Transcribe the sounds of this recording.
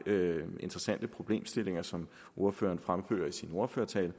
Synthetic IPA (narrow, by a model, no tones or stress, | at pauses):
e̝nd̥ʁɛsæn̰d̥əpʰʁo̝b̥le̝̰ːmsd̥e̝le̝ŋɐsɒ̽m | ʔo̝ɐfø̰ːɐnfʁamfø̰ːɐisino̝ɐføːɐt͡sʰɛ̰ːl